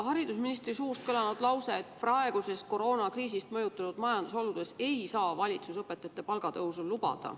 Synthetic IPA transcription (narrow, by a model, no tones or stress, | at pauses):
hɑɾid̪̥usminist̪risuːst̪̚kɤlɑnud̪̥lɑwse̞ːt̪ːprɑe̞ɡ̥use̞sko̞ɾo̞ːnɑkriːsist̪mɤjut̪ːˑɑnud̪̥mɑjɑnd̪̥usolud̪̥e̞se̞jsɑːvɑlʲit̪susɤpːet̪ːˑɑɑt̪ːˑepɑlɡ̥ɑt̪ɤɦusullːub̥ɑ̰d̪̥ɑ̰